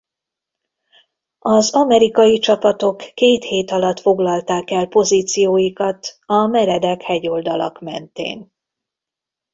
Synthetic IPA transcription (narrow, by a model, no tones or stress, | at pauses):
ɒzɒmɛɾikɒjit͡ʃɒpɒt̪o̞kːeːt̪heːt̪ɒlɒt̪fo̞ɡlɒlt̪aːkɛlpo̞ziːt̪sijoːjikɒt̪ɒmɛɾɛd̪ɛkhɛɟo̞ld̪ɒlɒ̰kmɛ̰nt̪ḛːn